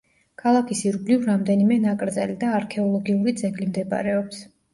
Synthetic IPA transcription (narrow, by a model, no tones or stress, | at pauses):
kʰalˠakʰisiɾblivɾamd̪ɛnimɛnakʼɾd̪zɛlid̪aːɾkʰɛɔlˠɔɡiuɾid̪zɛɡlimd̪ɛba̰ɾɛɔps